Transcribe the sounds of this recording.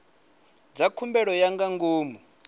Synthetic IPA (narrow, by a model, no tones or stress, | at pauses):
d͡zakʰumbɛɺɔjaŋɡaŋɡoːmu